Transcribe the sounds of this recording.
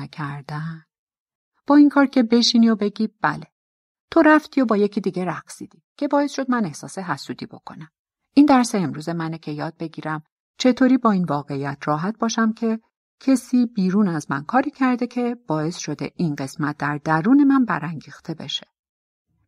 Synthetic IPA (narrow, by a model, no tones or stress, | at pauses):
kʰæɾd̪æn | b̥ɒːiŋkʰɒːɾcʰe̞be̞ʃinio̞be̞ɟiːb̥æle̞ | t̪ʰo̞ɾæft̪ʰiːo̞bɒːje̞cʰiːd̪iːɟe̞ɾæɡsiːd̪̥iːcʰe̞bɒːe̞sʃo̞d̪̚mæne̞hsɒːseɦæsuːd̪iːbo̞̰kʰo̞̰næm | ind̪æɾseemɾuːze̞mænecʰe̞jɒːd̪̥̚be̞ɟiːɾæm | t͡ʃʰe̞t̪ʰoːɾiːbɒːiːnvɒːɣe̞ijæt̪ʰrɒːɦæt̪̚b̥ɒːʃæmcʰe̞ | cʰe̞siːbiːɾuːnæzmænkʰɒːɾiːcʰæɾd̪e̞cʰe̞b̥ɒːe̞sʃo̞d̪e̞̰ʔinɢe̞smæt̪̚ʰd̪æɾd̪̥æɾuːne̞mænbæ̰ɾæŋɟiːxt̪ʰe̞be̞ʃe̥